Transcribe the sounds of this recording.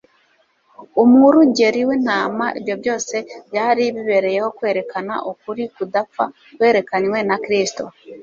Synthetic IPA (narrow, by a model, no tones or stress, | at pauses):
omuɾuɟe̞ɾiwenaːmaʔiβjoβjo̞ːse̞bjaːɾiβiβe̞ɾe̞je̞ho̞kwe̞ːɾe̞kana̰ʔokuɾikudap͡fa | kwe̞ːɾe̞kaɲwe̞nakiɾisi̥to̞̰